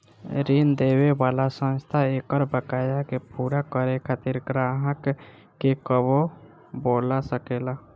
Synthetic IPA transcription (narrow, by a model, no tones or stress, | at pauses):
ɾiːnd̪eːwebaːlasə̃nst̪ʰaeːkəɾbəkaːjakepuːɾakəɾekʰat̪iɾɡɾaːɦəkː | ekəbo | boːlasəkeːlaː